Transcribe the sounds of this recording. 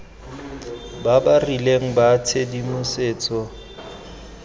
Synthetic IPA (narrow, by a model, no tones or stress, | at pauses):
babarileŋ̩batʰedimʊseːt͡sʼɔ